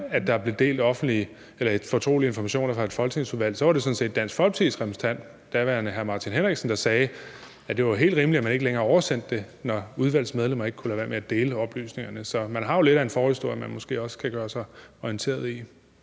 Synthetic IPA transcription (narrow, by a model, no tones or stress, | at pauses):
æd̥ɑ̈b̥le̝d̥e̝̰ːld̥ɒ̽fn̩d̥li | elɐe̥fɒ̽t͡sʰʁo̝̰ːlie̝nfɒ̽mæɕo̝̰ːnɐfʁɑ̈e̝d̥fɒ̽lt͡sʰið̩ˠsuðˠʋæl̰sɒ̽ʋɑ̈ɾe̝sɒ̽n̩se̝̰ːd̥̚ːæn̰sɡ̥fɒ̽lt͡sʰiðˠsʁɛmʰist͡sʰæn̰d̥ | d̥æʋæɐnəɦæɐmɑ̈ːt͡sʰinɦenʁeɡ̥sn̩d̥ɑ̈sɛː | æd̥e̝ʋɑɦe̝̰ːld̥ʁiːmliæmæne̝ɡ̥əleŋɐɒʊɐsen̰d̥ːe̝ | nɒuð̞ˠʋæl̰smeð̞ˠlemɐe̝ɡ̥əkʰulæʋæɐ̰meæd̥e̝ːləɒ̽b̥ly̰ːsne̝ŋɐnəsɒ̽mænɦɑ̈jo̝le̝ɾæe̝nfɒːisd̥o̝ɐɐmænmɒ̽sɡ̥e̝̰ːɒ̽sə̥kʰæɡ̥ɶːɐsɑ̈ɪɒient͡sʰe̝̰ːɐð̞ˠi